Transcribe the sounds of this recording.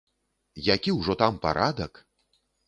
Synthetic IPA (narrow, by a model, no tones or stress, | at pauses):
jakʲiwʐɔt̪ampa̰ɾʔad̪ɐk